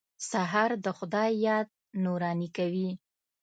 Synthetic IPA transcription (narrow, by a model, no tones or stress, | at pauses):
saɦaɾd̪əxʊd̪ɑjjɑd̪̚ | nuɾɑnikawi